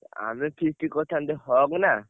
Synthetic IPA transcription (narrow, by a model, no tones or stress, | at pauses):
a̰mipʰistikːɔt̪ʰand̪ɛhɔkna